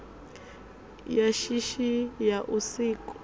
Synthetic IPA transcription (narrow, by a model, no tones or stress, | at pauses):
jaʃiʃijaʔusiːkʼɔ̥